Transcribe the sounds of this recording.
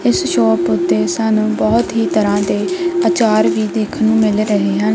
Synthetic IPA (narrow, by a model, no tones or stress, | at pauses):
ɪsʃoːpʊt̪ːeːsənũːbɔːt̪ɦiːt̪əɾãːd̪eːət͡ʃaːɾʋiːd̪eːkʰnũːmɪlɾəɦeːɦən